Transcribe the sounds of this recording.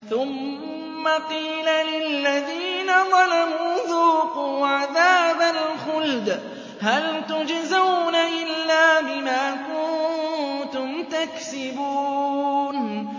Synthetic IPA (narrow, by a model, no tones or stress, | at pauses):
θʊmː | aqiːlalɪlːaðiːnaðˤɑlamuːðuːquːʕaðaːbalxʊld̪ | halt̪ʊd͡ʒzawnaʔɪlːaːbɪmaːkʊnnt̪ʊmt̪aksɪbuːn